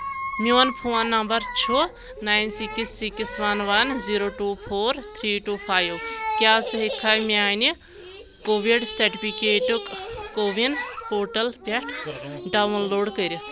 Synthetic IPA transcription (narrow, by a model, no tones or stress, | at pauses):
mioːnpʰoːnːɐmbɐɾt͡ʃʰu | naːjnsiksːiksʋɐnʋɐnziɾoːʈuːpʰoːɾt̪ʰɾiːʈuːpʰaːjʋkʲjaːt͡sɨɦekʰːaːjmiaːni | koːʋiɖsɐɾʈipʰikeːʈukkoːʋinpoːʈɐlpɛʈɖawnloːɖkəɾji